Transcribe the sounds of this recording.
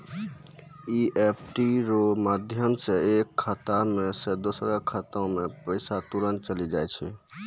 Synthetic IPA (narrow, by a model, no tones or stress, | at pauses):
iʔepʰʈiɾomad̪ʱjəmseekʰːət̪amesed̪osɾəkʰət̪õmepəɪsat̪uɾənt͡ʃəlid͡ʒajt͡ʃʰɛ